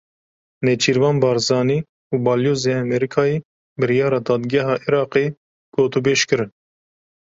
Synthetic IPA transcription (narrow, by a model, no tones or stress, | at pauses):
net͡ʃʰiːɾvɑːnbɑːɾzɑːniː | uːbɑːljoːzeːɛmɛɾikʰɑːjeː | bɨɾijɑːɾɑːd̪ɑːd̪ɡɛɦɑːʔiɾɑːqeː | ɡ̥oːt̪ubeːʃkɨɾɨn